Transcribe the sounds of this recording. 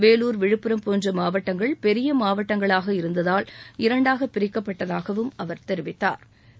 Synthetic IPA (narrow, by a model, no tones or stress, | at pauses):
ʋeːluːɾʋɪɻɯpːɪɾɐmpoːndrɐmaːʋɐʈːɐŋɡɐɭpɛɾɪjɐmaːʋɐʈːɐŋɡɐɭaːɣɐɪɾɯnd̪ɐðaːlɪɾɐɳɖaːɣɐpːɪɾɪkːɐpːɐʈːɐðaːɣɐʋɯmɐʋɐɾt̪ɛɾɯʋɪt̪ːa̰ːɾ